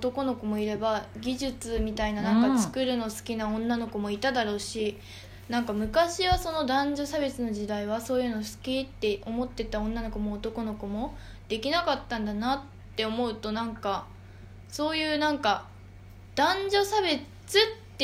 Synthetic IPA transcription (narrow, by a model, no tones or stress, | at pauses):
ot̪o̞ko̞no̞komo̞iɾe̞baɡʲiʑɨt͡sɨmʲit̪ainanãŋkat͡sɨ̥kɯɾɯ̟no̞sɨ̥kʲinaõ̞nːano̞ko̞mo̞it̪ad̪aɾo̞ːɕi | nãŋkamɯ̟kaɕiβaso̞no̞d̪ãɲ̟d͡ʑo̞sabe̞t͡sɨno̞ʑid̪aiβ̞aso̞ːjɯ̟ːno̞sɨ̥kʲit̪ːe̞ʔo̞mo̞t̪ːe̞t̪aõ̞nːano̞komoːt̪o̞ko̞no̞ko̞mo̞ | d̪̥e̞kʲinakat̪ːãnd̪anat̪ːe̞o̞mo̞ɯ̟t̪o̞nãŋka | so̞ːjɯ̟ːnãŋka | d̪̥ãɲd͡ʑo̞sabe̞ | t͡sɨt̪ː